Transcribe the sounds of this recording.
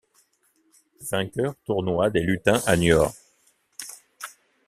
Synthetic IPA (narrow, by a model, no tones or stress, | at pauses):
v̥ɛ̃kʲœʁt̪uʁnwad̪elyt̪ɛ̃ʔanjɔʁ